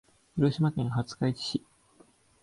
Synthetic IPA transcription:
ɸɯɾoɕimakẽŋ̃hat͡sɨ̥kait͡ɕi̥ɕi

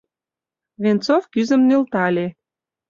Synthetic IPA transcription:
βent͡sofkyzə̆mnelt̪ɑlʲe

